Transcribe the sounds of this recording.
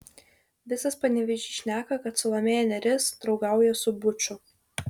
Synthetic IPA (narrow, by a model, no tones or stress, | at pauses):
ʋʲɪsɐspɐnʲɛʋʲɪʒʲiʃʲnʲæːkɐkɐt̪sʊlˠɐmʲeːjɛnʲɛɾʲɪsd̪ɾɒʊɡɑˑʊjɛsʊbʊt͡ʃʲʊ